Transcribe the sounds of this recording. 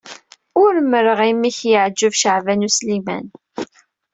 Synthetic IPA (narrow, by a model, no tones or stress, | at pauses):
ʊɾməɾəʁimːiçjəʕd͡ʒːəvʃəʕvænuslimæ̰n